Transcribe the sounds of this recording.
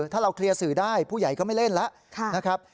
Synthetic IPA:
t̪ʰaː˥˩ɾa˧wkʰli˧ɐsɯː˨˩˦daː˥˩jpʰuː˥˩ja˨˩jkɔː˥˩ma˥˩jle˥˩nlɛ˦˥ʔʰna˦˥kʰɾa˦˥p̚

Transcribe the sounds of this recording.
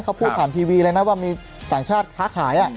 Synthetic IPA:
kʰa˦˥wpʰuː˥˩pʰaː˨˩nt̪ʰiː˧wiː˧ɾɤː˧na˦˥waː˥˩miː˧ | t̪aː˨˩ŋt͡ɕʰaː˥˩t̪̚kʰaː˦˥kʰaː˩˦jʔa˨˩

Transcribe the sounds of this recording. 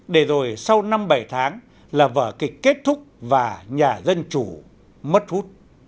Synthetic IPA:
ɗe˧˩zo˨˩jsa˧wna˧mɓa˧˩jt̪ʰaː˨˦ŋ | laː˨˩və̰ː˧˩kï˨˩k̟̚ʲːe˦˥t̚t̪ʰʊ˦˥k͡p̚vaː˨˩ɲaː˨˩zə˧nt͡ɕu˧˩ | mə˦˥t̚hu˦˥t̚

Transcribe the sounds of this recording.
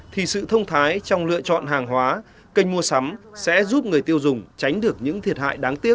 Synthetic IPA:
t̪ʰi˨˩sɨ̰˧˨t̪ʰə˧wŋ͡mt̪ʰaː˨˦jt͡ɕɔ˧wŋ͡mlɨ̰˧˨ət͡ɕɔ̰˧˨nɦaː˨˩ŋɦwaː˨˦ | kə˧jŋ̟mu˧əsa˨˦msɛ̰˧˥zu˦˥p̚ŋɨ˨˩əjt̪i˧əwzʊ˨˩ŋ͡mt͡ɕa˨˦jŋ̟ɗɨ˨˩ək̚ɲɨ̰˧˥ŋt̪ʰi˨˩ət̚ha̰ː˧˨jɗaː˨˦ŋt̪i˦˥ək̚

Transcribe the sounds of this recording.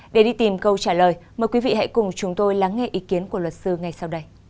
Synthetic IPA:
ɗe˧˩ɗi˧t̪i˨˩mkə˧wt͡ɕaː˧˩ləː˨˩jməː˨˩jkwi˨˦vḭ˧˨ha̰˧˥jkʊ˨˩ŋ͡mt͡ɕʊ˨˦ŋ͡mt̪o˧jla˨˦ŋːɛ˧ʔi˨˦ki˨˦ənku˧˩əlwə˨˩t̚sɨ˧ŋa˨˩jsa˧wɗə˧j

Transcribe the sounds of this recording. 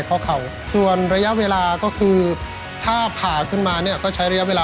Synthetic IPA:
jkʰɔː˥˩kʰa˩˦w | su˨˩ənɾa˧ja˦˥ʔweː˧laː˧kɔː˥˩kʰɯː˧ | t̪ʰaː˥˩pʰaː˨˩kʰɯ˥˩nmaː˧ni˥˩kɔː˥˩t͡ɕʰa˦˥jɾa˧ja˥weː˧laː˧

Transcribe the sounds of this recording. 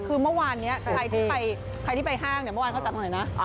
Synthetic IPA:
kʰɯː˧mɯ˥˩˨waː˧nːi˦˥ɐkʰɾa˧jt̪ʰiː˥˧˩pa˧j | kʰa˧jt̪ʰi˥˩pa˧jɦaː˥˩ŋni˥˩m˥˩waː˧nkʰːt͡ɕa˨˩t̪̚na˨˩˦jna˦˥

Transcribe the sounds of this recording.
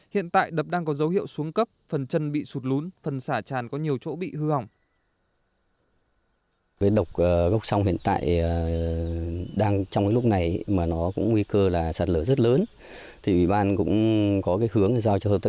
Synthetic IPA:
hḭ˧˨ənt̪a̰ː˧˨jɗə˨˩p̚ɗaː˧ŋkɔ˨˦zə˨˦whḭ˧˨əwsu˨˦əŋkə˦˥p̚fə˨˩nt͡ɕə˧nɓḭ˧˨su˨˩t̚lu˨˦nfə˨˩nsaː˧˩t͡ɕaː˨˩nkɔ˨˦ɲi˨˩əwt͡ɕo̰˧˥ɓḭ˧˨hɨ˧ha˨˩wŋ͡m | kaː˨˦jɗə˨˩wk͡p̚əː˨˩ɣə˦˥wk͡p̚sa˧wŋ͡mɦḭ˧˨ənt̪a̰ː˧˨jə˨˩ | ɗaː˧ŋt͡ɕɔ˧ŋ͡mkaː˨˦jlʊ˦˥k͡p̚na˨˩jmaː˨˩nɔ˨˦kʊ̰˧˥ŋ͡mŋwi˧kəː˧laː˨˩saː˨˩t̚ləː˧˩zə˦˥t̚ləː˨˦n | t̪ʰi˨˩wḭ˧˩ɓaː˧nkʊ̰˧˥ŋ͡mkɔ˨˦kaː˨˦jhɨ˨˦əŋ˨zaː˧wt͡ɕɔ˧hə˧˩p̚t̪ə˦˧˥

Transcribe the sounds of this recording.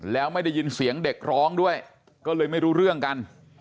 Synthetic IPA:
lɛː˦˥wma˥˩jda˥˩jːɯː˧nsi˩˦əŋde˨˩k̚ɾɔː˦˥ŋdu˥˩əj | kɔː˥˩lɤː˧jma˥˩jɾuː˦˥ɾɯ˥˩əŋka˧n

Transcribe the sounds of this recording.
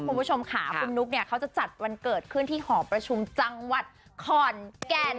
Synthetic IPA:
kʰu˧npʰu˦˥t͡ɕʰo˧mkʰaː˩˦kʰu˧mnu˦˥k̚ni˥˩ɐkʰa˦˥wt͡ɕa˨˩t͡ɕa˨˩t̪̚wa˧nkɤː˨˩t̪̚kʰɯ˥˩nt̪ʰiː˥˩hɔː˩˦ŋpɾa˧t͡ɕʰu˧mt͡ɕa˧ŋwa˨˩t̪̚kʰɔː˨˩nkɛː˧n

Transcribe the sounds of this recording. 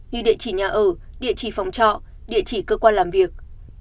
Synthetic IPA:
ɲɨ˧ɗḭ˧ət͡ɕi˧˩ɲaː˨˩ʔəː˧˩ɗḭ˧˨ət͡ɕi˧˩fa˨˩wŋ͡mt͡ɕɔ̰˧˨ | ɗḭ˧˨ət͡ɕi˧˩kəː˧kwaː˧nlaː˨˩mvi˨˩ək̚

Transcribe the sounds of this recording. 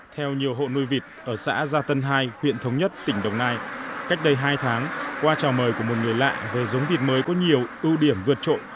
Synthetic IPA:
t̪ʰɛ˧wɲi˨˩əwɦo̰˧˨nu˧jvi˨˩t̚ʔəː˧˩sa̰ː˧˥zaː˧t̪ə˧nɦaː˧jhwḭ˧˨ənt̪ʰə˨˦wŋ͡mɲə˦˥t̚t̪ï˧˩ŋ̟ɗə˨˩wŋ͡mnaː˧jka˦˥jk̟̚ɗə˧jɦaː˧jt̪ʰaː˨˦ŋkwaː˧t͡ɕaː˨˩wməː˨˩jku˧˩mo˨˩t̚ŋɨ˨˩əjla̰ː˧˨ve˨˩zə˨˦wŋ͡mvi˨˩ət̚məː˨˦jkɔ˨˦ɲi˨˩əwʔɨ˧wɗi˧˩əmvɨ˧˩ət̚t͡ɕo̰˧˨

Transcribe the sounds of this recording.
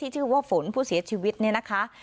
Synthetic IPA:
iː˥˩t͡ɕʰɯː˥˩waː˥˩fo˩˦npʰuː˥˩si˨˩˦ɐt͡ɕʰiː˧wi˦˥t̪̚ni˥˩ɐna˦˥kʰa˦˥

